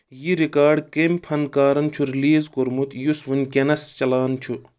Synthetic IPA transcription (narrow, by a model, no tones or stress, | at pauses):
jiɾikaːɖkemʲpʰɐnkaːɾɐnt͡ʃʰuɾiliːzkoɾmut̪jusʋunʲkʲenɐst͡ʃɐlaːnt͡ʃʰu